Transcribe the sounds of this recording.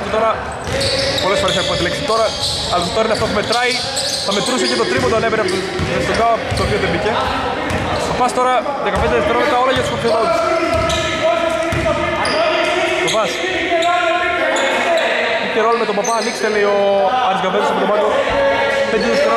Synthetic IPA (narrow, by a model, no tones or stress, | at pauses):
t̪et̪o̞ɾɐ | polesfoes̬ɐkuɐt̪lekset̪o̞ɾɐ | ɐlɐst̪oɾɐineɐft̪ot̪ɐme̞t̪ɾɐi | θɐme̞t̪ɾusecet̪ot̪ɾimot̪oɐneveɾeɐpo | t̪oɡat̪opiot̪emice | fɐpɐst̪o̞ɾɐ | ðekɐpend̪eðeft̪eɾomet̪ɐo̞lɐʝɐt̪u̥sop̪ʰjonot̪u̥s | t̪ovɐs | iceɾolɐmet̪obɐpɐːnikse̥t̪elejoɐɾizɡɐbenost̪ovɾomɐt̪o | ðed̪iɾist̪ɾ